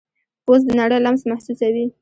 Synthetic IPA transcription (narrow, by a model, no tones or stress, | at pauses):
ozd̪ənaɽəjlamsmahsusawi